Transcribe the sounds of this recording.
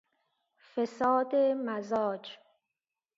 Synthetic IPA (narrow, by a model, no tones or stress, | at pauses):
fesɒːd̪emæzɒːd͡ʒ